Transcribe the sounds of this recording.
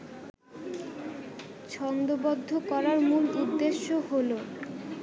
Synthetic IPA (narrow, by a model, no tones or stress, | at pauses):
t͡ɕʰɔnd̪obod̪ʱːokɔɾaɾmulud̪ːeʃːoɦolo